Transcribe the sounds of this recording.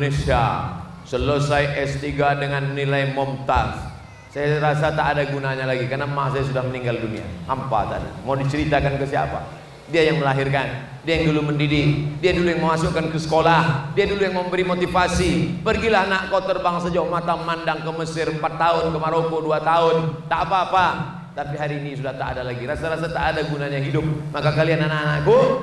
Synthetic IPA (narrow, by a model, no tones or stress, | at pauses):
nesia̰ | səlosajʔɛst̪iɡadəŋanːilaimɔmt̪as | sajaɾasat̪aːdaɡunaɲalaɡikarnamas̬ajas̬udahməniŋɡaldunia̰hampa̰t̪ada̰mawdit͡ʃəɾit̪akankəsia̰pa̰ | diajaŋməlaɦirkan | diajaŋduluməndidɪk̚diadulujaŋməasukankəsə̥kolahdiadulujaŋməmbəɾimot̪ifasipərɡilahnaʔkot̪ərbaŋsəd͡ʒauhmat̪amandaŋkəməsɪrəmpat̪ːaʊnkəmaɾokoduat̪aʊnt̪aʔpaːpa | t̪apiɦaɾiːnisudaht̪aːdalaɡiɾasaɾasat̪aʔːdaɡunaɲaɦidʊp̚makakaliananaʔanaʔku